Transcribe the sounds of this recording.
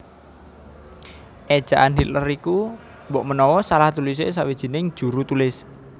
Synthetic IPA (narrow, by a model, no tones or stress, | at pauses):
ʔe̥ʒ̥a̤ʔanɦiləriku | mbɔʔmənɔwɔsalaht̪ulis̬es̬awid̥ʒ̥i̤nɪŋ̥ʒ̥ṳɾut̪ulɪs